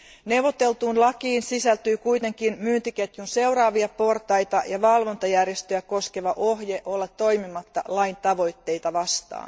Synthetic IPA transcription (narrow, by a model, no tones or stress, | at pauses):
ne̞wʋot̪e̞lt̪uːnlɑkiːnsisælt̪yːkujt̪e̞ŋkinmyːnt̪iket̪junse̞wɾɑːʋiɑpo̞rt̪ɑjt̪ɑjɑʋɑlʋo̞nt̪ɑjærjest̪øjæko̞ske̞ʋɑʔo̞ɦjeʔo̞lːɑt̪ːojmimɑt̪ːɑlɑjnt̪ɑʋo̞jt̪ːe̞jt̪ɑʋɑst̪ɑ̰ːn